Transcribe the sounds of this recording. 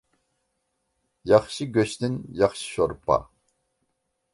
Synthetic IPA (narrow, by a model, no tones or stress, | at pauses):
jɑχʃiɡʲøʃt̪ɪnjɑχʃi̥ʃoɾpa̰